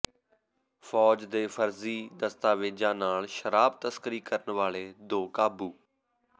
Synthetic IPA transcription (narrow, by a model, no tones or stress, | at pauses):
fʰɔːd͡ʒd̪eːfʰəɾziːd̪əst̪aːʋeːd͡ʒãːnaːlʃəɾaːb̚t̪əskəɾiːkəɾənʋaːɭeːd̪oːkaːbuː